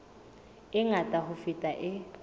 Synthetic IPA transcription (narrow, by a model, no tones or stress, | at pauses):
ɪŋatʼaɦʊfitʼaʔɪ